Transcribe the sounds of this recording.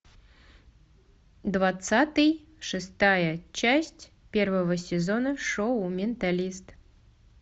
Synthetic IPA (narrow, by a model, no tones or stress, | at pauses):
d̪vat̪sat̪ɨj | ʂɨst̪ajət͡ɕæsʲtʲ | pʲervəvəsʲɪzonəʂoʊmʲɪnt̪alʲist̪